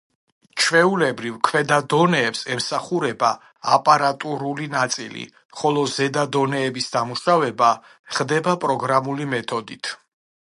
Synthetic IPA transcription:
t͡ʃʰvɛulɛbɾivkʰvɛd̪ad̪ɔnɛːpsɛmsaχuɾɛbaː | pʼaɾat̪ʼuɾulinat̪sʼḭlḭ | χɔlˠɔzɛd̪ad̪ɔnɛːbisd̪amuʃavɛba | χd̪ɛbapʼɾɔɡɾamulimɛt̪ʰɔd̪it̪ʰ

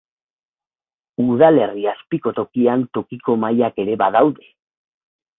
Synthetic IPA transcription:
uðale̞riaspiko̞t̪o̞kiant̪o̞kiko̞majake̞ɾe̞βaðawðe̞

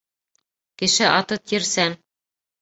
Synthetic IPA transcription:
kɘ̆ʃɘʔɑt̪ɤt̪jɘ̆ɾsæn

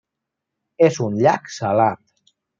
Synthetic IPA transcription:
ezunʎaksalat̪̚

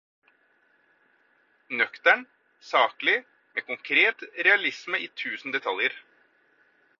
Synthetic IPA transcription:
nœkt̪æɳ | sɑːklɪ | mḛːkʊŋkʰɾeːt̪ɾɛɑlɪsməiːt̪ʰʉːsn̩d̪ɛt̪ʰɑljəɾ

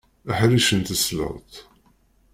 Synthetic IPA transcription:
əħliʃənt̪əslə̰ʁˤt̪

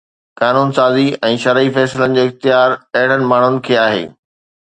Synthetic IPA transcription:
kaːnuːnsaːziɛ̃ːʃɐɾifɛːsɪlənɪ̆d͡ʑoːɪxt̪ɪjaːɾɐɦɪɽ̤ənɪ̆maːɳ̤ʊnɪ̆kʰeːaːɦḛː

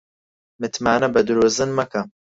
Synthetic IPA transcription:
mɨt̪maːnɐbɐd̪ɨɾuːzɨnmɐkɐm

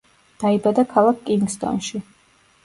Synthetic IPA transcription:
d̪̥aibad̪akʰalˠakʰkʼiŋɡst̪ʼɔ̰nʃi

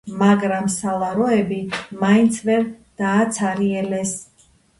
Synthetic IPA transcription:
maɡɾamsalˠaɾɔɛbimaint̪sʰvɛɾd̪̥aːt̪sʰaɾiɛlɛs

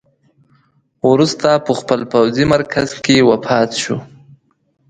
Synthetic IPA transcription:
wɾust̪apəxpəlpawzimaɾkʰazkewapʰɑt̪ʃu

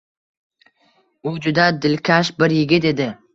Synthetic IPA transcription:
ʊd͡ʒʊd̪ad̪ɪlkʲʰaʃbɪɾjɪɡʲɪt̪e̞d̪ɪ

